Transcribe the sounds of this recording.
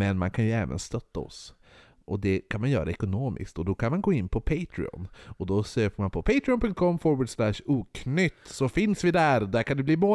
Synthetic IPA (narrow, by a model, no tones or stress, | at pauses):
mɛnmankʰanjɵɛːvə̰nst̪œt̪ːaɔ̰s | ʔɔd̪ɛkʰanmanjœ̰ːɾaɛkʊnoːmɪ̰skt̪ɔd̪ɔkʰanmanɡoːɪnːpʰɔpʰeɪt̪ʰɾɪ̰ɔ̰nɔd̪ɔsøːpəmanpʰɔpʰeɪt̪ɾɪɔnpʰɵŋt̪̚kʰɔmːfɔɾbʊːd̪slæʃuːkʰnʏt̪ːsɔfɪnsvɪd̪æɾd̪æɾkʰand̪ɵbliːmoː